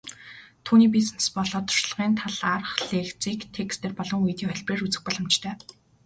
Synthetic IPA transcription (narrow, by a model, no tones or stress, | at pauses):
t̪ʰuːniːp̬isnspɔɮɔːt̪ʰʊ̥rʃɮə̆ʁiːnt̪ʰaɮarχɮeːxt͡siːkt̪ʰekst̪ʰeːrpɔɮɞ̆ŋujt̪iːŋχœɮʲpreːrut͡sɘ̆x̚pɔɮɞ̆mt͡ɕt̪ʰœː